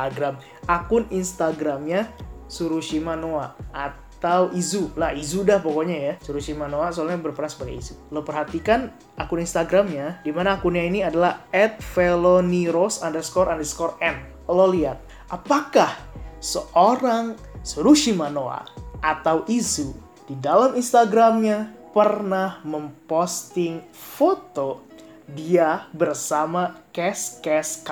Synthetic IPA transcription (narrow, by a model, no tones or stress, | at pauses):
aɡɾam | akʊninst̪aɡɾamɲasuɾuʃimanoaat̪awʔizulaizudahpokoɲajasuɾusimanoasolaɲabərpəɾansə̥baɡa̰izuləpərɦat̪ikan | akʊninst̪aɡɾamɲadimanaːkunɲainiadalahɛt̪̚feloniɾosandərskɔɾandərskɔrɛn | loliat̪̚ | ʔapakahsəʔoɾaŋsuɾuʃimanoa̰ʔat̪awʔizu | d̥idalaminst̪aɡɾamɲapərnahməmpost̪ɪŋ | fot̪o | diabərsamakɛskɛska